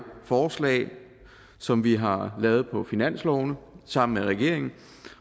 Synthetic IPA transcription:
fɒːslɛ̰ɪ | sɒ̽mʋiɦɑ̈lɛːʊð̞̩ˠpʰɒ̽finæn̰slɒʊnəsɑ̈m̰n̩meʁɛɡ̥e̝ɐ̰e̝ŋn̩

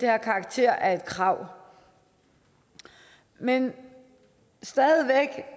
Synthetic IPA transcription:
d̥ehæɐkʰɑ̈ːɡ̥̚t͡sʰe̝ɐ̰ʔæɐe̝d̥kʰʁɑ̈ʊ̰ | men | sd̥ɛðˠʋeɡ̥

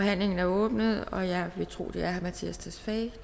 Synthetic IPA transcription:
ɒ̽ɦæn̰le̝ŋn̩æɐɔ̽ːb̥nəð̞̩ˠɒ̽jɑ̈ɪʋe̝t͡sʰʁo̝̰ːd̥e̝æɐhæmæt͡sʰḭːæst͡sʰæsfɛ

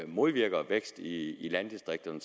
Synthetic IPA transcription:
mo̝ð̞ˠʋiɐɡ̥ɐʋeɡ̥sd̥iːlænd̥isd̥ʁeɡ̥̚d̥ɐn

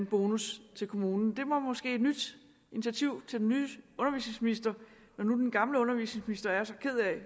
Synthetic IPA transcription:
nb̥o̝ːnust͡sʰe̝lkʰo̝muːnn̩d̥e̝mɒ̽mɒ̽sɡ̥e̝̰ːd̥nyd̥ | init͡sʰæt͡sʰiʊ̰t͡sʰe̝ld̥enyːɔ̽nɐʋḭːsne̝ŋsminisd̥ɐ | nɒnud̥enɡ̥ɑ̈mləɔ̽nɐʋḭsne̝ŋsminisd̥ɐæɐsɒ̽kʰe̝ð̞̰ˠɛ

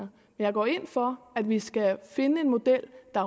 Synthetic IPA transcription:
ɐ | mmenjɑ̈ɪɡɒ̰ːe̝n̰fɒ̽æd̥ʋisɡ̥æfe̝nəe̝nmo̝d̥el̰d̥ɑ̈

